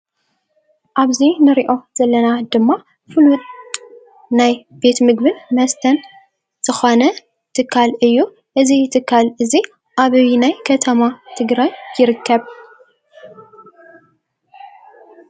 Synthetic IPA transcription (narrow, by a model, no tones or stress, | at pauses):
ʔaβzinɨɾiʔo̞z̥ɐlːɐnad̪ɨmːa | fɨlʊt̪ʼ | najbe̞t̪mɨɡbɨnmɐst̪ʰɐn | z̥ɨxonɐ | t̪ʰɨkʰːalʔɨjːu | ʔɨzit̪ʰɨkʰːalɨzi | ʔaβɐβinajkʰɐt̪ʰɐmat̪ʰɨɡɾajjɪɾɨkʰːɐβ